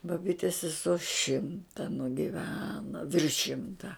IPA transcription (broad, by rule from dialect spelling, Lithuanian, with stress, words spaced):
bɐˈbʲiːtʲɛs sʲɛˈsoː ˈʃʲɪmtɐ nʊɡʲɪˈʋʲæːnoː ˈʋʲɪrʃ ˈʃʲɪmtɐ